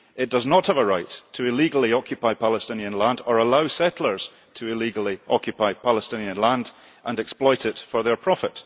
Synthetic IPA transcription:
ɪʔ̚d̥ʌznəʔhəvəɹaɪtʰəɪlˠiɡl̩ˠiɔkʰjɨpʰaɪpʰalˠəstɪ̃niə̃nlˠãndə˞əlˠaʊsɛʔl̩ˠə˞z̥ | tʰəɪlˠiɡl̩ˠiʔɔkʰjɨpʰaɪpʰalˠəstɪ̃niə̃nlˠãnd | ʔə̃ndɛksplˠɔɪʔɪtfə˞ðə˞pʰɹ̥ɔfɪt

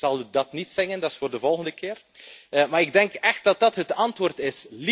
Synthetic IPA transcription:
z̥ɑlˠydɑtnitsɪɣəndɑsfoːrdəvɔlˠɣəndəkɪːr | maːɾɪɡ̚dɛŋkɛxt̚d̥ɑt̚dɑtɦətɑntʋoːrtɪsli

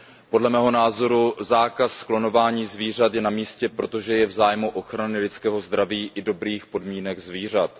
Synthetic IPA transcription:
po̞dlɛmɛːɦo̞naːzo̞ɾuzaːkassklo̞no̞vaːɲiːzviːr̝at̪jɛnamiːscɛpɾo̞t̪o̞ʒɛjɛvzaːjmuʔo̞xɾanɪlɪt͡skɛːɦo̞zd̪ɾaviːʔɪdo̞bɾiːxpo̞dmiːnɛɡzviːr̝at̪

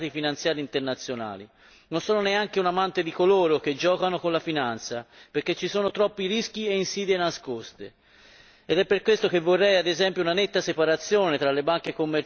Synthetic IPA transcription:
t̪ifinant̪sjaːɾiːnt̪ernat̪sːjona̰ːli | nonsoːnoneaŋk̟eunamant̪ed̪ikoloːɾok̟ed͡ʒːɔːkanokonlafinant̪sapeɾk̟et͡ʃːisoːnot̪ɾɔpːiɾisk̟ieinsiːd̪enaskost̪e | ɛd̪ɛpːerkwest̪ok̟evːorːɛjad̪ezɛmpjounanet̪ːasepaɾat̪sːjoːnet̪ɾalːebaŋkekomːeɾ

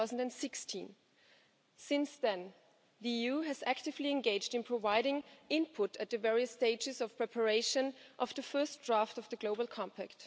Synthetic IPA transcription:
ʊzn̩dɨ̃nsɪkstʰḭ̃n | sɪ̃nsðɨ̃n | ðiijuɨzæktɨvliɨ̃nɡeɪd͡ʒdɨ̃npʰɹ̥ovaɪɾɪ̃ŋɪ̃npʰʊɾɨt̪̚ðɨvɛɹiɨsteɪd͡ʒɨzʌv̥pʰɹ̥ɛpʰə˞eɪʃɨ̃nʔʌvðɨfɜ˞sd̥ɹaftʌvðəɡloʊbəl̩ˠkʰɑ̃mpʰækt

